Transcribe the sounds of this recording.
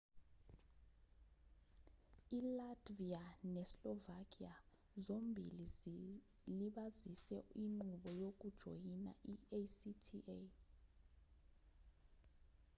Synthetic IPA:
ilatvianɛslɔvakʼia | zombʱili | liɓazisɛiŋ͡ǃuɓɔjok̬ud̥ʒ̥ʱo̰jina̰ʔiesitʰiʔe

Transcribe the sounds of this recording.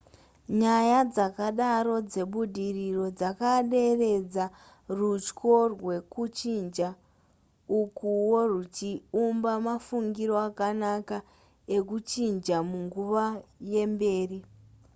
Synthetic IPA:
ɲajad͡zakaɗaɾo̞d͡ze̞ɓudʱiriro̞d͡zakaɗe̞re̞d͡za | rut͡ʃko̞rwe̞kut͡ʃind͡ʒa | ukuwo̞rut͡ʃiumbamafuŋɡiɾo̞akanaka | e̞kut͡ʃind͡ʒamuŋɡuʋaje̞mbe̞ːri

